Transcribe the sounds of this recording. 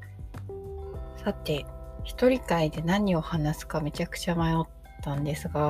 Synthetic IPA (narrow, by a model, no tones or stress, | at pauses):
sat̪e̞çi̥t̪o̞ɾʲikaid̪e̞naɲ̟io̞hanasɨ̥kame̞t͡ɕakɯ̟̥t͡ɕamajo̞t̪ːãnd̪e̞sɨɡa